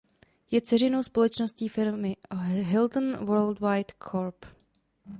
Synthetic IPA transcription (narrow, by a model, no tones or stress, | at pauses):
jɛt͡sɛrɪno̞wspo̞lɛt͡ʃnosciːfɪɾmɪɦɪld̪n̩vəɾld̪wajt̪kʰoɾp